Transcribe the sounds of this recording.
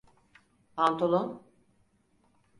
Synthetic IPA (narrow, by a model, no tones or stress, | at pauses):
pʰant̪ʰolˠon